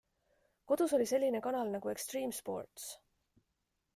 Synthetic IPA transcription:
ko̞d̪̥uso̞lʲise̞lʲːine̞kɑnɑlnɑɡ̥ue̞kst̪riːmspo̞̰rt̪s

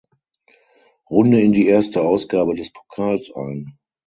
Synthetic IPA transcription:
ʁʊndəɪndiːeːɐstəaʊsɡ̥aːbədɛspʰokʰaːlsʔa̰ɪn

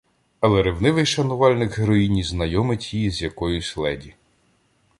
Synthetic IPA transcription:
ɐlˠɛɾɪwnɪʋɪjʃɐnʊʋɑlʲnɪɡɦɾɔjinʲiznɐjɔmɪtʲjijizʲjɐkɔjʊsʲlˠɛdʲi

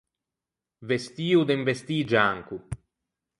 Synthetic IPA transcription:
vest̪iːud̪eɱvest̪iːd͡ʒaŋku

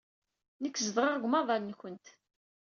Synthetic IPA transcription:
nəkːzəðʁɑʁɡʷmɑðˤɑlnçənt̪

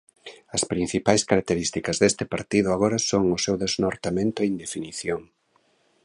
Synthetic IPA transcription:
ɐspɾin̟θipajskaɾak̚t̪eɾist̪ikɐzðest̪ɪpaɾt̪iðʊaɣ̞oɾɐsoŋʊsewðeznoɾt̪amẽnt̪ʊeind̪efiniθjoŋ

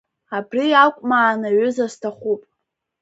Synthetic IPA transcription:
abriakʷʼmaːnaɥʏzastʰaχupʼ

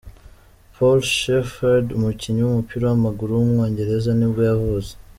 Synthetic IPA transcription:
pʰolʃefaɾdumuciɲuwumupiɾawamaɡuɾuwumŋo̞ːɲɟe̞ɾe̞zanibɡujavuze

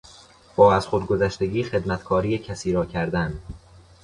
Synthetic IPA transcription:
b̥ɒːæz̥xod̪̚ɡo̞zæʃt̪e̞ɡiːxe̞d̪mæt̪kʰɒːɾiːjecʰæsiːɾɒːcʰæɾd̪æn

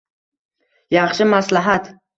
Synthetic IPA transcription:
jɑχʃɪmaslaɦat̪

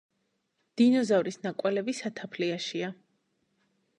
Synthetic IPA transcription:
d̪̥inɔzavɾisnakʼwɛlɛbisat̪ʰapʰliaʃia

